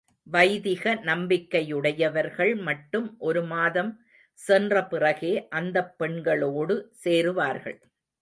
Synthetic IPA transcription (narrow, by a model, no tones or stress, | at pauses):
ʋɐɪðɪɣɐnɐmbɪkːɐjɯɽɐjɐʋɐɾɣɐɭmɐʈːɯmʔɔɾɯmaːðɐm | sɛndrɐpɪrɐɣeːʔɐnd̪ɐpːɛɳɡɐɭoːɽɯseːɾɯʋaːɾɣɐ̰ɭ